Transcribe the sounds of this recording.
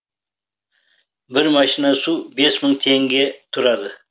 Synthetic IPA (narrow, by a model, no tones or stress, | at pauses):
bɪɾmɑʃinɑsube̞sməɴt̪ʰeŋɡʲe̞t̪ʰʊɾɑd̪ə